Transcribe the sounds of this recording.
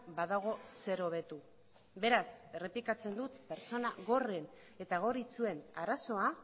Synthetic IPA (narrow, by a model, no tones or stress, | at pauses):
baðaɣ̞o̞se̞ɾo̞β̞e̞t̪u | be̞ɾase̞re̞plikat͡se̞nd̪ut̪pe̞ɾt͡so̞naɣo̞re̞n | e̞t̪aɣ̞o̞rit͡sue̞naɾaso̞a